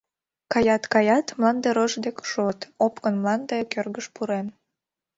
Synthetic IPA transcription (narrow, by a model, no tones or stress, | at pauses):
kɑjɑt̪kɑjɑt̪mlˠɑnd̪eɾoʒd̪ekʃot̪opkənmlˠɑnd̪ekørɣəʃpuɾen